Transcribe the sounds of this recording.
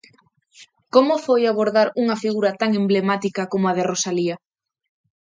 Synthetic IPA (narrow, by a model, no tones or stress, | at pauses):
komʊfojaβoɾðaɾuŋɐfiɣuɾɐt̪aŋemblemat̪ikɐkomʊaðɪrosaliɐ